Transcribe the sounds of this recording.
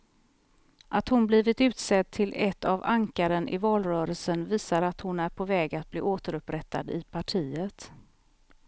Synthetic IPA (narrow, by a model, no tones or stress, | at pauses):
ʔat̪hʊnbliːvɪt̪ʉ̟ːt̪sɛd̪̚t̪ʰːɪlɛt̪ːavaŋkaɾənʔɪ̰vɑːlɾœːɾəlsənviːsaɾat̪hʊnæɾpʰɔvɛːɡat̪̚blḭːʔoːt̪əɾɵpɾɛt̪ʰːa̰d̪ɪ̰pʰaʈʰiːət̪